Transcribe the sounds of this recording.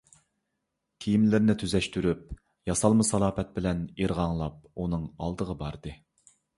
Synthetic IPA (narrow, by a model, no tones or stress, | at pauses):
kʲʰijimlɪɾnɪt̪ʰyzɛʃt̪yɾyp̚ | jɑsɑlˠmɨsɑlˠɑːpɛt̪̚bɪlɛneɾʁɑŋlˠɑp̚unɨŋɑ̰lˠd̪əʁəbɑɾd̪ɨ